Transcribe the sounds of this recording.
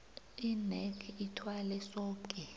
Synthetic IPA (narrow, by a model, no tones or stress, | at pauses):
inɛkʰitʰwalɛsɔːkʼɛ